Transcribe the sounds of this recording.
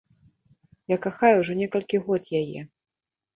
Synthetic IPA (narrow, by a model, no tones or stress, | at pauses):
jakaxajuʐɔnʲɛkɐlʲkʲiɣɔt̪jajɛ̰